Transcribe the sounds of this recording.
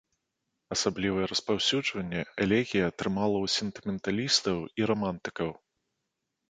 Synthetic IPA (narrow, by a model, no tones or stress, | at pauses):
ɐsablʲivɐjɛɾɐspawsʲud͡ʐvɐnʲːɛɛlʲɛɣʲijɐːt̪ɾɨmalˠɐwsʲɛnt̪ɨmʲɛnt̪alʲist̪ɐwiɾɔmant̪ɨ̥kɐw